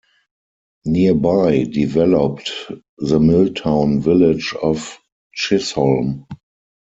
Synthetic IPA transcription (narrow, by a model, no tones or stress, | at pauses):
niəbaɪdivɛlɔp̚t | ðəmɪltʰãʊ̃nvɪlɪd͡ʒɔf | t͡ʃɪsɔlm